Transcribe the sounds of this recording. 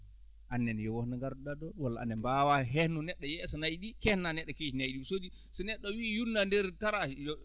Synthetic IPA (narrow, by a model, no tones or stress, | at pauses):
ʔanːɛnjɛwɔhnaŋɡaɾdɔɗadɔwalːaʔa̰nːɛmbawaɦɛhnɔnɛɗːɔjɛsɔnajɗikɛhnanɛɗːɔked͡ʒinajɗisoːd͡ʒi | sɔnɛɗːɔwijunːandɛɾtaɾajɔ